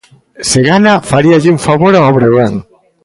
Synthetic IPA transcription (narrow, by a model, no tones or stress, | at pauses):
seɣanafaɾiaʎɪuŋfaβoɾaɔβɾeβaŋ